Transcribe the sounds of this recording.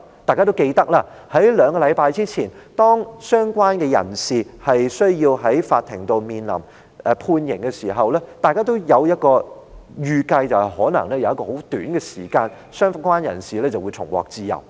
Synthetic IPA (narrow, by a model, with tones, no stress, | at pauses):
t̪aː˨jkaː˥o˥wke˧jt̪ɐ˥k̚laː˧ | hɐ˨˥jlœː˨˧ŋkɔː˧lɐ˨˧jpaː˧jt͡siː˥t͡sʰiː˨˩nt̪ɔː˥ŋsœː˥ŋkʷwaː˥nkɛː˧jɐ̰˨˩nsiː˨hɐ˨jsɵ˥ɥjiː˧wɦɐ˨˥jfaː˧t̚t̪ʰɪ˨˩ŋt̪o˨wmiː˨nlɐ̰˨˩m | ɛ˧pʰuː˧njɪ˨˩ŋkɛ˧siː˨˩ɦɐ˨wlɛː˥t̪aː˨jkaː˥t̪̬o˥wjɐ˨˧wjɐ˥t̚kɔː˧jyː˧kɐ˧jt͡sɐ˨whɐ˨˩jhɔː˨˥nɐ̰˨˩ŋlɛː˥jɐ˨wɐ˥kɔː˧ho˨˥wt̪yː˨˥nkɛ˧siː˨˩kaː˧n | sœː˥ŋfkʷaː˥njɐ̰˨˩nsiː˨lɛː˥t͡sɐ˨wu˨˧t͡sʰʊ˨˩ŋwɔ̰ː˨k̚t͡siː˧jɐ̰˨˩w